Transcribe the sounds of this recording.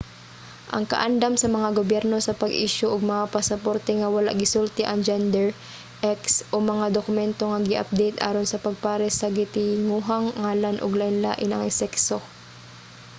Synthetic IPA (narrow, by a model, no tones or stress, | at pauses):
ʔɐ̰ŋkɐ̰ʔand̪amsɐmɐŋaɡobjɛɾno̞sɐpɐɡʔiʃoʔʊɡ̚mɐŋapɐsɐpoɾt̪ɛŋɐwɐla̰ʔɡɪsult̪ɛʔɐŋd͡ʒɛnd̪ɛɹ | ʔɛksʔomɐŋad̪okʊmɛnt̪o̞ŋɐɡɪʔɐ̰p̚d̪ɛjt̪ʔa̰ːɾonsɐpɐɡ̚paːɾɛsɐɡɪt̪ɪŋuːɦaŋːaːlɐnʔʊ̰ɡlaʔɪnla̰ːʔɪnɐŋɪsɛkso